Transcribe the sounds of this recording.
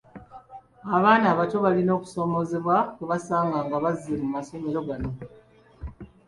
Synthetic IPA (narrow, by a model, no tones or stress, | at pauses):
aβaːnaːβato̞βalino̞ːku̥so̞mo̞zeβwakuβasaːŋɡaːŋɡaβaziɾmumaso̞me̞ɾo̞ɡano̞